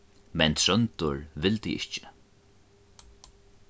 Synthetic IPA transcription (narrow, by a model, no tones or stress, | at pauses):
mɛnt̪ʰɾœnt̪ʊɹvɪlt̪ḭɪ̰ht͡ʃɪ̥